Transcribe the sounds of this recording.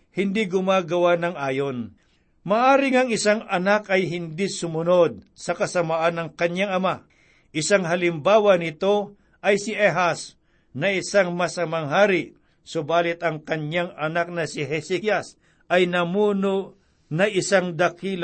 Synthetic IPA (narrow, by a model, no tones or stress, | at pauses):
hɪnd̪iɡʊmaːɡɐwanɐŋʔaːjon | mɐʔaːɾɪŋɐŋɪsaŋɐnakɐjɦɪnd̪isʊmʊno̞d̪̚ | sɐkɐsɐmaʔanɐŋkɐɲːaŋɐma | ʔɪsaŋɦɐlɪmbaːwɐnɪt̪o̞ | ʔɐjsɪʔɛɦas | nɐɪsaŋmɐsɐmɐŋɦaːɾɪ | sobaːlɪt̪ɐŋkɐɲɲaŋɐnak̚nɐsɪɦɛsikjas | ʔɐjnɐmuːno | nɐʔɪsaŋd̪ɐkil